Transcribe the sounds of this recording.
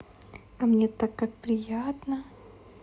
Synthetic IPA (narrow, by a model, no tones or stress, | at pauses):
amnʲet̪akːak̚pɾʲɪjat̪nə